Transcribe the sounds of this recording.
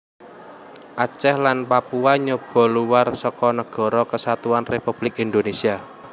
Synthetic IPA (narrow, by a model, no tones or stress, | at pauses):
ʔat͡ʃɛhlanpapuaɲob̥ɔ̤luwarsɔkɔnəɡ̥ɔ̤ɾɔkəsat̪uanrepub̥lɪkind̪onesia